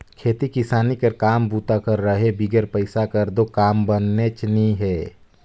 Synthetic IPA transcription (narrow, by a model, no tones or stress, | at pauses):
kʰeːt̪ikɪsaːnikəɾkaːmbuːt̪akəɾːəɦebiɡəɾpəɪsakəɾd̪okaːmbənːet͡ʃniɦɛː